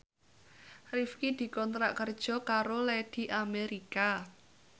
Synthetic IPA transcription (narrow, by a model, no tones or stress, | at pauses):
rifkid̪̥i̤kɔnt̪ɾa̰ʔkərd̥ʒ̥ɔ̤kaɾolɛd̪̥i̤ʔameɾika